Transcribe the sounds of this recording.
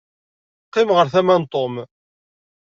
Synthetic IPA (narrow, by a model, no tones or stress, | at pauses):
qːɪmʁəɾθæmænt̪ˤom